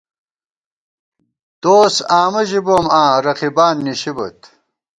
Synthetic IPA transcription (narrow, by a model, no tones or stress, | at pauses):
d̪̥oːsaːmɐʑibomãːɾɐqibaːnːiɕibɐ̰t̪